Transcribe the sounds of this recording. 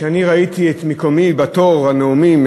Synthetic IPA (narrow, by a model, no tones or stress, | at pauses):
eaniʁait̪iet̪mekomibat̪oʁhaneumim